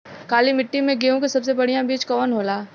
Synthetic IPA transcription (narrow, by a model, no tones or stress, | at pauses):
kaːlimɪʈːimẽɡeːõkisɐbsebɐɽ̤ijãbiːt͡ʃkɔːnɦoːlaː